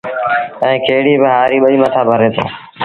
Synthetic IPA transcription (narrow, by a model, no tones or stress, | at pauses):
ɛ̃ːkʰeːɽiːbɪɦaːɾiːɓəɗiːmət̪ʰaːbʱəɾeːt̪ʰː